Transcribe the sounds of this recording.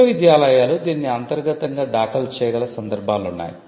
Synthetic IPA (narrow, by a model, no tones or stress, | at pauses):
ɐʋid̪jaːlɐjaːlud̪iːnːiɐnt̪ɐɾɡɐt̪ɐŋɡaːɖaːkɐlt͡ʃɛːjɐɡɐlɐsɐnd̪ɐɾbʱaːlunːa̰ːji